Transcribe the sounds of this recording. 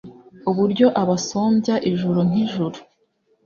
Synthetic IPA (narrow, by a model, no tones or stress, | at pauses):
uβuɾɟo̞ʔaβasoːmbjaʔiʒuɾun̥iʒuɾu